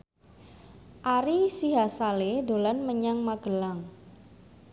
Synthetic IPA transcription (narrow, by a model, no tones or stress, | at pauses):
ʔaɾisiɦasaledolanməɲaŋmaɡ̥əlaŋ